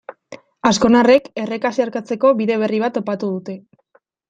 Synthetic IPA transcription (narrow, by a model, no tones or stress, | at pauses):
asko̞nare̞ke̞rekasiaɾkat͡se̞ko̞βiðe̞β̞e̞riβat̪o̞pat̪uð̞ut̪e̞